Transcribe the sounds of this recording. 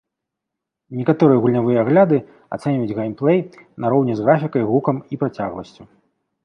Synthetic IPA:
nʲɛkat̪ɔɾɨjɐɣulʲnʲavɨjɐaɣlʲad̪ɨ | at̪sɛnʲvud͡zʲɣejmplˠɛjnɐɾɔwnʲɛzɣɾafʲikɐjɣukɐmipɾat͡sʲaɣlˠɐsʲt͡sʲu

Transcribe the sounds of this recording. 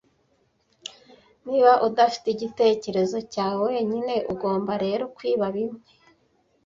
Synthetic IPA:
niːβaʔudafi̥teɟite̞ːce̞ɾe̞zo̞caːwowe̞ɲine̞ʔuɡo̞ːmbaɾe̞ɾo̞kwiːβaβimŋe

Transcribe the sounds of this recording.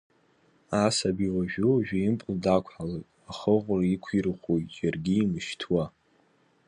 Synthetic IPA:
asabiwaʒᶣuʒᶣaimpʼldakʷʰħalatʼaχəʁʷraikʷʰirχʷojtʼjarɡʲiːmɨʃtʰwa

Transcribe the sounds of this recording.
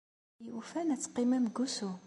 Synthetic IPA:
ufænæt͡sːqimæmɡusu

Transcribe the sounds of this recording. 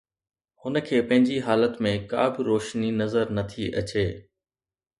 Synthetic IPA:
hʊnə̆kʰeːpɐ̃ɦɪ̃ɲd͡ʑiɦaːlət̪mẽka̰ːbɪɾoːʃninɐzəɾnɐt̪ʰiʔɐ̰t͡ɕeː

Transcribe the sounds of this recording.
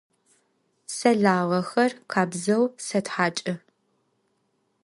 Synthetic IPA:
sɐɮaːʁɐxɐrqʰaːbzɐwsɐtħaːt͡ʃʼɐ

